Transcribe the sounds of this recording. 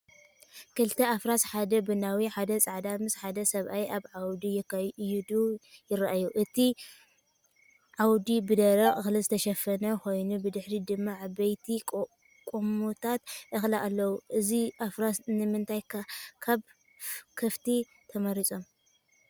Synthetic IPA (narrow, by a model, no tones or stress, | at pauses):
kʰɨlt̪ʰɐafɾasħad̪ɐbɨnawiħad̪ɐt͡sʼaʕd̪amɨsħad̪ɐsɐβʔajʔaβʕawd̪ijɪkːɐjjid̪ujɪɾaʔajuʔɨt̪ʰi | ʕawd̪ibɨd̪ɐɾɐkʼɨxlɨzɨt̪ʰɐʃɐfɐnɐxo̞jnubɨd̪ɨħɾid̪ɨmːaʕbɐjt̪ʰikʼ | kʼomut̪ʰat̪ʔɨxlaʔalːɐwuʔɨziʔafɾasnɨmɨnt̪ʰajkʰaβ | kʰɐft̪ʰi | t̪ʰɐmɐɾit͡sʼo̞m